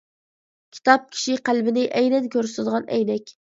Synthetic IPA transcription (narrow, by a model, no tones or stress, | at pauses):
kʲʰi̥t̪ɑp̚kʲʰi̥ʃɪqʰælbɪnɪʔæjnɛnkʲʰɵɾsɪd̪ʁɑnæjnɛkʲ